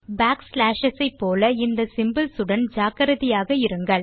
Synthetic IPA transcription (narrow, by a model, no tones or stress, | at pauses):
baːkslaːʃɐsɐɪpːoːlɐɪnd̪ɐsɪmbɪlsɯɽɐnd͡ʒaːkɐɾɐðɪjaːɣɐɪɾɯŋɡɐɭ